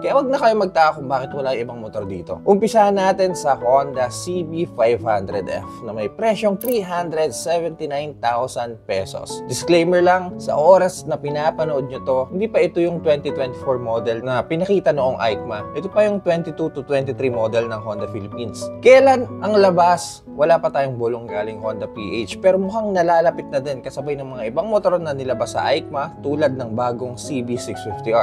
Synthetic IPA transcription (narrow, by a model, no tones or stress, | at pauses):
kɐjawɐɡ̚nɐkɐjomɐɡ̚t̪aːʔkʊŋbaːkɪt̪wɐlajʔɪbɐŋmot̪o̞ɾd̪iːt̪o̞̰ʔʊmpɪsahɐnːaːt̪ɛnsɐkond̪ɐsibifajvhand̪ɾɛd̪ʔɛ̰fnɐmɐjpɾɛʃjoŋt̪ɾiːɦand̪ɾɛd̪̚sɛvɛnt̪ɪnajnt̪awsɐnpɛso̰sd̪ɪsklejmɛɹlɐŋsɐ̰ʔo̞ːɾɐsnɐpɪnaːpɐnoʔod̪̚ɲot̪o̞hɪnd̪iːpɐʔɪt̪o̞jʊŋt̪wɛnt̪it̪wɛnt̪ɪfoɹmod̪ɛlnɐpɪnɐkiːt̪ɐnoʔoŋʔajk̚mɐʔɛt̪opɐjʊŋt̪wɛnt̪it̪ut̪ʊt̪wɛnt̪ɪt̪ɾimod̪ɛlnɐŋhond̪ɐfilɪpinskɐjɐlanʔɐŋlɐbas | wɐlaːpɐt̪aːjoŋboloŋɡaːlɪŋhond̪ɐpḭʔejt͡ʃpɛːɾomʊɦaŋnɐlaːlɐpɪt̪̚nɐd̪ɛnkɐsɐbajnɐŋmɐŋaʔɪbɐŋmot̪oɾonɐnɪlɐbasɐ̰ʔajk̚mɐt̪uːlɐd̪̚nɐŋbaːɡo̞ŋsibisɪksfift̪iʔa